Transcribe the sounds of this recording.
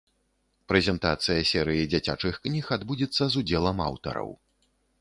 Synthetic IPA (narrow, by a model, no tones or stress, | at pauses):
pɾɛzʲɛnt̪at̪sɨjɐsʲɛɾɨjid͡zʲat͡sʲa̰t͡ʂɨxknʲixad̪bud͡zʲit̪sːɐzud͡zʲɛlˠɐma̰wt̪ɐ̰ɾɐ̰w